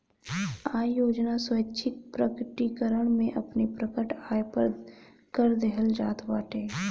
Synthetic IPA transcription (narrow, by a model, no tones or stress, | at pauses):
aːjoːd͡ʒnaswətːʃʰɪk̪̚pɾəkʈikəɾəɽ̃mẽʔɐpnipɾəkəʈʰaːepəɾ | kəɾd̪eɦəld͡ʒaːt̪ʋaːʈeː